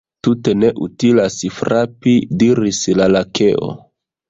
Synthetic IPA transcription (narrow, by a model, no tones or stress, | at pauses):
tute̞ne̞ʔutilasifɾapidiɾislalakʰeʔo̰